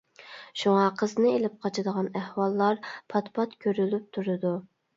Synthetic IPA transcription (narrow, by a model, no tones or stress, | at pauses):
ʃuŋɑqʰəznɨelɪp̚qʰɑt͡ʃʰɨd̪əʁɑnæhwɑlˠːɑɾpʰɑt̪pʰɑt̪kʲʰøɾylyp̚t̪ʰuɾɨd̪u